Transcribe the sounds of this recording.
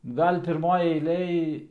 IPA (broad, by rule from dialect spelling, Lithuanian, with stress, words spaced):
ˈɡɐlʲ pʲɪrˈmoːj ɛɪˈlʲeːj